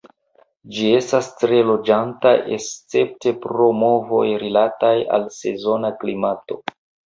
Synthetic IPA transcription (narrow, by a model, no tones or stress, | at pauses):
d͡ʒie̞stastɾe̞lo̞d͡ʒanta̰est͡se̞p̚te̞pɾo̞mo̞vo̞jɾilataja̰lse̞zo̞naklimato̞